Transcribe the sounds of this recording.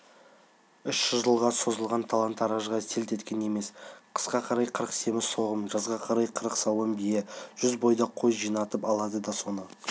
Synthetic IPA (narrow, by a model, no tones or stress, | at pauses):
ʏʃʒ̥ʊzʒəlˠʁɑso̞zəlˠʁɑnt̪ʰalˠant̪ɑɾɑʒʁɑse̞lt̪e̞t̪kʲene̞me̞sqʰə̥sqɑqʰɑɾɑjqʰəɾəqse̞mɪzsʰo̞ʁəmʒɑzʁɑqʰɑɾɑjqʰəɾəqsɑwəmbijeʒ̥ʏzbo̞jd̪ɑqʰo̞jʒijnɑt̪əpɑlˠɑd̪əd̪ɑso̞nə